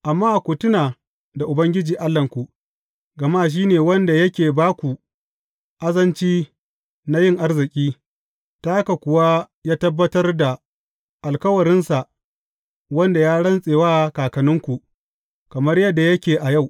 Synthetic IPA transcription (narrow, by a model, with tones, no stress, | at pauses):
ʔa˨mːaː˦ʔa˨kʷu˨tʊ˦naː˨ | da˨ʔʊ˨bɐ˦ŋɡʲɪ˦d͡ʒiː˨ʔa˦lːɐ˨ŋkʷu˨ | ɡɐ˨maː˦ʃ̬iː˦neː˨wɐ˦nda˨jɐ˦kʲeː˨baː˦kʷu˨ | ʔa˦zɐ˦nt͡ʃiː˦ | na˦jɪ˦ŋʔa˦rzɪ˨kʲʼiː˦ | ta˦ha˦ka˨kʷʊ˨wa˦ | jaː˦tɐ˦bːɐ˦tɐ˦rda˨ | ʔa˨lkɐ˦wɐ˨ɾɪ˦nsa˨ʔ | wɐ˦nda˨jaː˦ɽɐ˦nsʼeː˨waː˦kaː˨kɐ˨nʊ˦ŋkʷu˨ʔ | kɐ˨mɐ˦rjɐ˦dːa˨jɐ˦kʲeː˨ʔa˨ja˦˨w